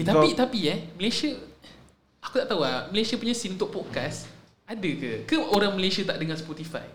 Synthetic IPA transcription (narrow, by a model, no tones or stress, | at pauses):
t̪apit̪apiɛməlesə | akut̪aʔt̪auaməlesiəpuɲãsinunt̪ʊʔ̚pɔd̚kas | adəkəkəoɾaŋməlesiət̪aʔdəŋãnspɔt̪ifa̰j